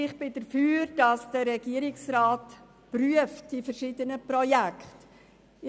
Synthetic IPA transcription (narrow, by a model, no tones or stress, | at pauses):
ɪχb̥ɪdəɾfyːɾd̥ɑsd̥əɾɛɡ̥iːəɾɪksraːt | pryəftd̥ifəɾʃɪːdənəprɔjɛkχt | ɪ